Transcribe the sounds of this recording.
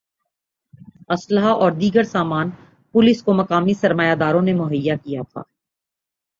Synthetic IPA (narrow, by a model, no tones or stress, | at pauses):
ɐsləɦaʔɔːɾd̪iːɡəɾsaːmaːn | pʊlɪskomɐkaːmisɐɾmaːjad̪aːɾõnemʊɦəjːakijat̪ʰa̰ː